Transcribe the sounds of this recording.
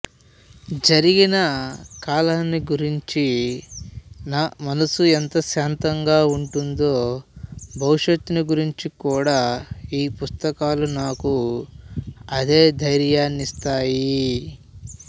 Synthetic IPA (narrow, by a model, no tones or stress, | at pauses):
d͡ʒɐɾiɡinɐkaːlaːnːiɡuɾiɲt͡ʃi | naːmɐnɐsuent̪ɐʃaːnt̪ɐŋɡaːuɳʈund̪o̞ː | bʱɐwuʂɐt̪ːuniɡuɾiɲt͡ʃikuːɽaːiːpust̪ɐkaːlunaːku | ɐd̪e̞ːd̪ʱɐjɾjaːnist̪aːji